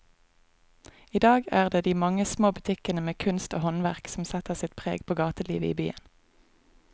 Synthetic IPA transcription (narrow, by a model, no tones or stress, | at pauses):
iːd̪ɑːɡæːʁd̪eːd̪iːmɑŋəsmoːbʉt̪ʰɪkənəmeːkʰʉnst̪oːhɔnʋæʁksm̩sɛt̪əʁsɪt̪pʰʁḛːɡpʰoːɡɑːt̪əlḭːʋəḭːbyːə̰n